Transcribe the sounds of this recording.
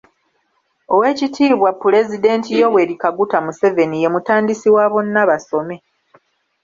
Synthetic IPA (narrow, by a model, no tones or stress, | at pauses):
o̞we̞ːcitʰiːβwapːule̞zide̞ːntijo̞we̞ɾikaɡutamuse̞ve̞nije̞mutaːndisiwaːβo̞nːaβaso̞me̞